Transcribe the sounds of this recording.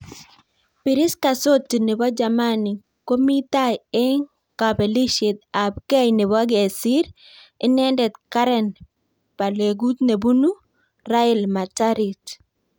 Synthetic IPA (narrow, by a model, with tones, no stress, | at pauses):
pɪ˨ɾɪ˦ska˨so˦tːi˨nɪ˨bɔ˦d͡ʒama˦ni˨ | ko˦mi˦t̪ajɛ˦ŋ | ka˨be˨li˦ʃɪ˨t̪̚a˨b̚ka˦jnɪ˨βa˦ɡe˨si˦ɾ | ɪ˦nɛ˦ndɛ˨t̪ka˦ɾɛn | pa˨le˨ɡu˦t̪ne˨bu˦nu˦ | ɾa˦ɪlma˨taɾi˨t